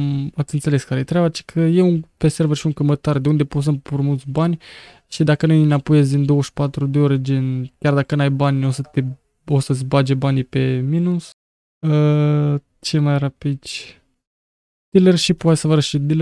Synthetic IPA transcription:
at̪sʲɨnt̪se̞le̞skaɾəjet̪ɾʲeabat͡ʃe̥kʰəje̞unpese̞rvərʃiuŋkəmət̪ard̪e̞und̪e̞pos̬ənpuɾmult̪sʲbanʲ | ʃid̪akənujnapojes̬ʲd̪ind̪o̞wəʃpat̪ɾud̪eoɾed͡ʒenkʲard̪akənajbanʲo̞sət̪e | o̞səsʲbad͡ʒebanijpe̞minus | ə | t͡ʃe̞majrapid̪t͡ʃ | d̪̥ilerʃipːwat̪esəvəɾəʃid̪ile

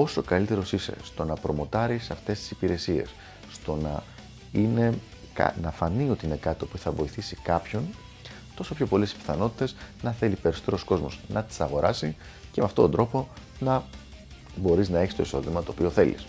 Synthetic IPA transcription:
o̞so̞kɐlit̪e̞ɾo̞sise̞̰st̪o̞nɐpɾo̞mo̞t̪ɐɾisɐft̪e̞st̪i̥si̥piɾe̞sie̞̰sː | t̪o̞nɐ | ine̞ | kɐ̰nɐfɐnio̞t̪iine̞kɐt̪io̞puθɐvo̞iθisikɐpço̞n | t̪o̞so̞pço̞po̞le̞si̥pi̥θɐno̞t̪i̥t̪e̞znɐθe̞lipe̞ɾiso̞t̪e̞ɾo̞sko̞zmo̞̰znɐt̪i̥sɐɣo̞ɾɐsi | ce̞meɐft̪o̞t̪ond̪ɾo̞po̞ | nɐ | bo̞ɾiznɐeçist̪o̞iso̞̰ðimɐt̪o̞ːpio̞θe̞̰lḭs

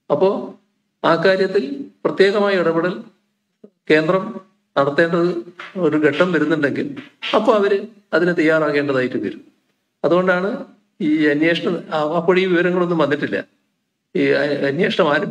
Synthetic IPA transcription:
ɐpːo̞ː | aːkːaːɾjɐt̪ːilprɐt̪jeːɣɐmaːjɐuɽɐbɐɽɐl | ke̞ːnd̪rɐm | nɐɽɐt̪ːe̞ːɳɖɐðɨo̞ɾuɡeʈːɐmʋɐɾunːuɳɖe̞ŋɡilɐpːoːɐʋɐɾɨ | ɐðinɨt̪ɐjːaːraːɣeːɳɖɐðaːjiʈːuʋɐ̰ɾumː | ɐðuɣo̞ɳɖaːɳɨ | iːɐnjeːʂɐɳɐɐpːoɽiːʋiʋɐɾɐŋːɐɭo̞nːumʋɐnːiʈːilːɐ̰ | iɐɐnjeːʂɐɳɐmaːɾɐ

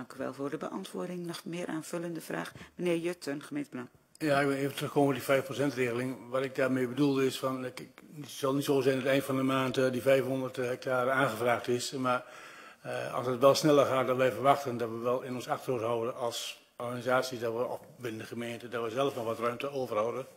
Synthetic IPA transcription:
ŋkyʋɛ̰lˠvʊːrdəbə̰ʔɑ̰ntʋʊːɹdɪŋnɔxmɪːɾʔaːnv̥ɵləndəfra̰ːxmənɪːrjøtənxəmẽntbəlɑŋ | jaɪkʋɪlˠeːvətrɵxkoːmədifɛjfprosɛntreːɣəlˠɪŋʋɔtɪk̚daːrmeːbədulˠdəɪsfɔn | sɑlˠnitsoːsɛjndɔtɛjnfɔndəmaːntdifɛjfnhondərthɛk̚tʰaːrəaːnxəvraːxtɪsmar | ɑ̰lˠsətʋɛlˠsnɛlˠəxaːt̚dɔtʋɛjfərʋaxtəndɔtʋəʋɛlˠɪnɔnsaxtəroːtɦɔwdənɑlˠs | ɔrxanizaːsjisdɔtʋəɔ̰f | ʋɪnəndəxəmeːntədɔtʋəzɛlˠəfnɔxʋɔtrœɥmtəoːvərhɔwdə

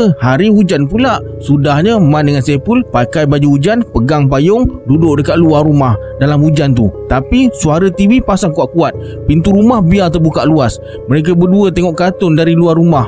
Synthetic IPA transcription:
haɾihud͡ʒanpulaʔ | sudahɲamandəŋansepulpakajbad͡ʒuud͡ʒanpəɡaŋpajʊŋdudʊʔdəkaʔ̪̚luarumah | dalamhud͡ʒant̪ut̪apisuaɾət̪iwipasaŋkuaʔkuat̪̚ | pint̪uɾumahbiat̪ərbukaʔluas | məɾek̬abərduət̪eŋɔʔkat̪ʊndaɾiluarumah

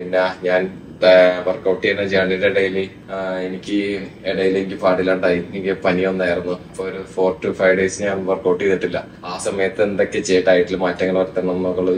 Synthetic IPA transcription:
inːeaɲaːn | ʋɐrkːɐwʈːiɐnɐd͡ʑaːɳiɾeɽɐjili | enikʲːɨeɽɐjilenik̬ʲːɨpaːɽilaːɳɖajiikʲːɨpɐnijonːaːjirunːuɐpːooɾufo̞ːrʈːufɐjʋɖe̞ːsɲaːnʋɐrkːoːʈːijniʈːilːɐ | aːsɐmɐjɐt̪ːinɐd̪okːet͡ɕejʈːaːjiʈːilmaːtːɐŋːɐɭʋɐɾt̪ːɐɳːonːɐkːɐɭːɐ

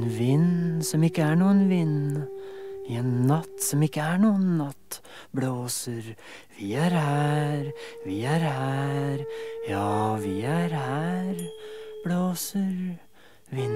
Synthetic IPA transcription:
nʋɪnːsɔmɪkːəæɳuːənʋɪn | ɪenːɑt̪ːsɔmɪkːəæɳuːənːɑt̪ː | bloːsəɾ | ʋɪæɾhæːɾʋɪæɾhæːɾjɑːʋɪæɾhæːɾbloːsəɾ | ʋɪ

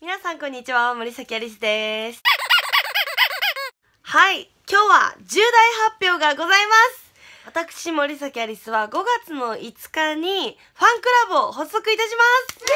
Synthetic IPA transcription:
mʲinasãŋkõ̞ɲ̟ːit͡ɕiβamo̞ɾʲisakʲiaɾʲis̬ɨd̪e̞sɨ̥ | hai | kʲo̞ːβa̰d͡ʑɨːd̪aihapʲːjo̞ːɡaɡo̞zaimasɨ̥ | βat̪akɯ̟̥ɕimo̞ɾʲis̬akʲiaɾʲisɨβaɡo̞ɡat͡sɨno̞ʔit͡sɨ̥kaɲ̟i | ɸãŋkɯ̟ɾabɯ̟o̞ho̞sːo̞kɯ̟it̪aɕ̬imasɨ̥

